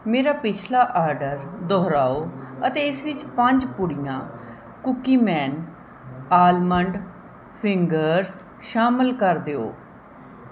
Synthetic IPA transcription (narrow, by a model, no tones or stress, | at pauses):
meːɾaːpɪt͡ʃʰlaːʔaːɾɖəɾd̪ɔːɾaːoːət̪eːɪsʋɪt͡ʃpəɲd͡ʒpʊɽɪjãː | kʊkiːmɛːn | aːlməɳɖ | pʰɪŋɡəɾs | ʃaːməlkəɾd̪eːo̰ː